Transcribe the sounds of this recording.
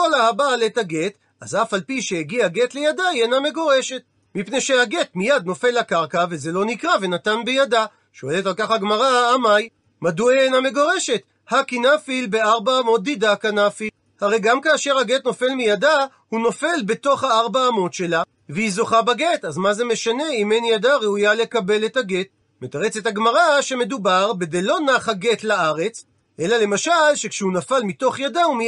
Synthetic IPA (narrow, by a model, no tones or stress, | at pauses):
kolahabaletaɡet | azafalpiʃeeɡiaɡetlejadajename̞ɡo̞ʁe̞ʃe̞t̚ | mipne̞jʃehaɡe̞tmijad̪̚no̞fe̞lakaʁkaveze̞lo̞nikʁave̞natanbejada | ʃo̞e̞letalkaχhaɡmaʁaːmaj | madueename̞ɡo̞ʁe̞ʃe̞t̪ | hakinafilbe̞aʁbaːmo̞t̪̚d̪idakanafi | haʁe̞jɡamkaːʃe̞ʁhaɡe̞tno̞fe̞lmijada | huno̞fe̞lbe̞to̞χhaaʁbaːmo̞tʃe̞la | vehizo̞χabaɡe̞tazmaze̞me̞ʃane̞imenjadaʁeujale̞kabe̞le̞thaɡe̞t̚ | met̪aʁet͡se̞taɡmaʁaʃe̞me̞dubaʁbed̪ejlo̞naχhaɡe̞tlaaʁe̞t͡s | ʔe̞lale̞maʃalʃe̞kʃehunafalmito̞χjadaumi